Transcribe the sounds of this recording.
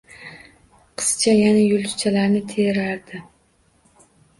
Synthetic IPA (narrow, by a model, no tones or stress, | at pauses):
qʰɨ̥st͡ʃʰajanajʊlˠt̪ʰʊt͡ʃʰalaɾnɪt̪ʰeɾaɾd̪ɪ